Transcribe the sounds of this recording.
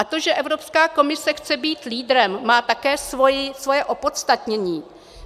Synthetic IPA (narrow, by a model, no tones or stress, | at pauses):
ʔat̪o̞ʒɛʔɛvɾopskaːko̞mɪsɛxt͡sɛbiːt̪liːdɾɛmːaːt̪akɛːsvojɪsvojɛʔo̞po̞t̪st̪at̪ɲɛɲiː